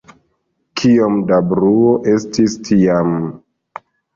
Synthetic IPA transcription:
kʰiomdabɾuoʔe̞stistʰiam

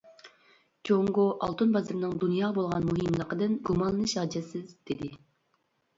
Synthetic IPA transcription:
d͡ʒoŋɡoʔɑ̰lˠt̪ʰunbɑzɨɾnɨŋd̪unjɑːbolˠʁɑnmuɦɨmlˠəqəd̪ɨnɡumɑlˠnɨʃɑd͡ʒɛsɪzd̪̥ed̪ɪ

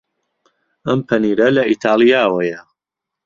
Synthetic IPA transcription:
ɐmpʰɐniːɾɐlɐʔit̪ʰaːlˠijaːwɐjɐ

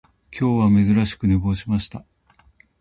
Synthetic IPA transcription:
kʲo̞ːβame̞zɨɾaɕi̥kɯ̟nebo̞ːɕimaɕi̥t̪a

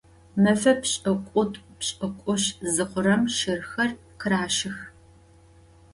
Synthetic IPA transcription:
mɐfɐpɕʼɨkʷʼʊtʼpɕʼɨkʷʼʊɕzɨqʷʊɾɐmʃɪrxɐr | qʰɨɾaːʃɪx

